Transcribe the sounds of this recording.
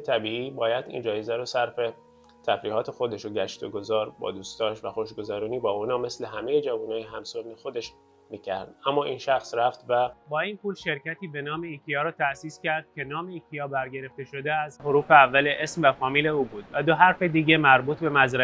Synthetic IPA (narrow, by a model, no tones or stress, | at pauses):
t̪ʰæbiːiːbɒːjæd̪ḭːnd͡ʒɒːjezæɾoːsæɾfe̞ | t̪ʰæfɾiːhɒːt̪ʰe̞xo̞d̪eʃoɟæʃt̪oɡozɒːɾbɒ̰ːd̪uːst̪ɒːʃvæxoʃɡozæɾuːniːbɒːunɒːme̞sle̞ɦæme̞jed͡ʒævuːnɒːjeɦæmsonːexod̪e̞ʃ | miːcʰæɾd̪̥ʔæmːɒːʔiːnʃæxsɾæft̪væbɒːiːnpʰuːlʃe̞ɾcæt̪ʰiːbe̞nɒːme̞iːcʰijɒːɾɒːt̪ʰæʔsiːscæɾd̪̥̚cʰʲe̞nɒːmeiːcʰijɒːbæɾɟe̞ɾe̞ft̪e̞ʃo̞d̪eæzɦoɾuːfe̞ævːæleʔesmvæfɒːmiːle̞uːbuːd̪væd̪o̞ɦæɾfe̞d̪iːɟe̞mæɾbuːt̪ʰbe̞mæzɾæ